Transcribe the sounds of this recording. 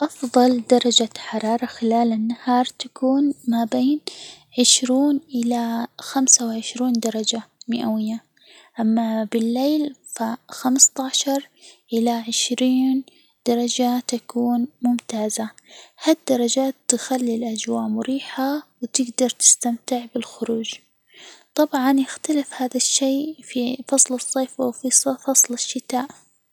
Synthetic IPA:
ʔɑfðˤɑld̪ɑɾˤɑd͡ʒaħɑɾˤɑːɾˤɑxɪlaːlanːahɑːɾˤt̪akuːnmabeːn | ʕɪʃɾiːnʔɪlaxamsawɪʕɪʃɾiːnd̪ɑɾˤɑd͡ʒamɪʔawɪjːa | ʔamːabɪlːeːlfaxamst̪ɑʕʃɑɾˤʔɪlaʕɪʃɾiːn | d̪̥ɑɾˤɑd͡ʒat̪akuːnmʊmt̪aːzahad̪ːɑɾˤɑd͡ʒaːt̪ːɪxalːilʔad͡ʒwaːʔmʊɾiːħawɪt̪ɪɡd̪ɑɾˤt̪ɪ̥st̪amt̪ɪʕbɪlxʊɾuːd͡ʒ | t̪ˤɑbʕɑnjɪxt̪alɪfhaːðaʃːeːfifɑsˤlɨsˤːeːfawfisˤfɑsˤlɪʃːɪt̪aːʔ

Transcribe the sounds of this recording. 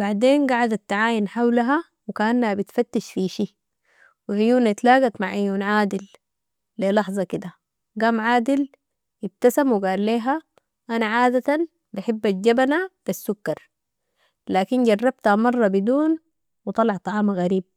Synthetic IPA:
baʕd̪eːnɡaʕad̪at̪ːaʕaːjinħawlaɦa | wikaʔanːahabit̪fat̪ːiʃfiʃiː | wiʔijuːnat̪laːɡat̪maʕʔɪjuːnʕaːd̪ilː | elɑħzˤɑkid̪a | ɡaːmʕaːd̪il | jɪb̚t̪asamwiɡaːlːeːɦa | ʔanaʕaːd̪at̪an | baħɪbːad͡ʒabanab̥asːukːɑɾˤ | laːkinɟɑrˤːɑb̚t̪hamɑrˤːɑbid̪uːn | wɨt̪ˤɑlɑʕt̪ˤɑʕɑːmaɣaɾiːb̚

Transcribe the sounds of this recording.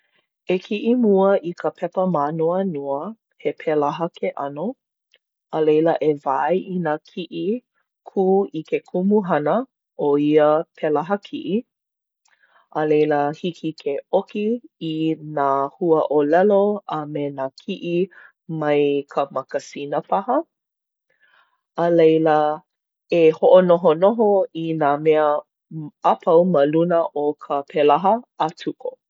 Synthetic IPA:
ekʰiʔimuəʔikʰəpʰɛpəmanoənoə | hepʰelaɦəkʰeʔɐno | ʔəlejləʔevajʔinakʰiʔi | kʰuːikekʰumuɦɐnə | ʔoiəpʰelaɦəkʰiʔi | ʔəlejləhikʰikʰeʔokiː | naːhuəʔolɛloʔəmenakʰiʔi | mɐjkʰəmɐkəsinəpahə | əlejlə | ehoʔonoɦonoɦoinaːmeə | apʰɐwməlunəʔokʰəpʰelaɦəːtʰuko

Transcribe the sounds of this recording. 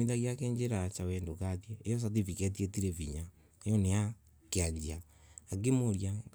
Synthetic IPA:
iðaɣiakeːɲd͡ʒeɾat͡ʃawɛndokatjeejɔs̬at̬ivikɛt̬ietiɾeviɲa | ejɔneja | keaɲd͡ʑiaː | kemoɾja

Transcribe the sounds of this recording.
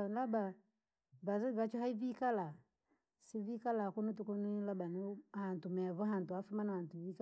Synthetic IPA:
laba | vazβat͡ʃɔɦaivikala | sivikalakunutukɔnilabanuhantumɛβɔɦantuafumanawantuvika

